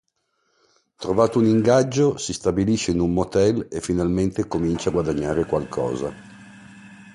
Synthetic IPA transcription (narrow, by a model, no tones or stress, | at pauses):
t̪ɾovaːt̪ouniŋɡad͡ʒːosist̪abiliʃeinummot̪ɛlefːinalment̪ekomint͡ʃaːɡwad̪aɲːaːɾekwalkʰɔ̰ːza̰